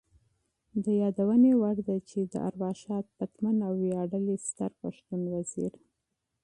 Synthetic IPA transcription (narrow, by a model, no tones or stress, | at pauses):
d̪əjɑd̪awənewaɽd̪at͡ʃed̪ə̰ʔa̰ɾwɑʃɑt̪̚pat̪manawːjɑɖəlist̪əɾpaʃt̪unwaz̥ḭɾ